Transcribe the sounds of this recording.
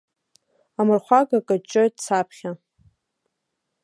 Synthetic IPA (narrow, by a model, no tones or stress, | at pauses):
amɨrχʷaɡakʼat͡ʃʼojt̚ʼt͡sʰapʰχʲa